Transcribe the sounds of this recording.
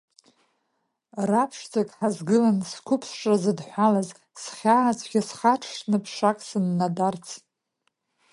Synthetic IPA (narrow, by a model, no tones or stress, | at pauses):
rapʰʂd͡zʰakʼħazɡɨlanskʷʰʊpʰsʂʼrazɨdħʷalaz | sχʲaːat͡sʷʰʼɡʲasχaʈ͡ʂʰʂnɨpʰʂakʼsɨnːadart͡sʰ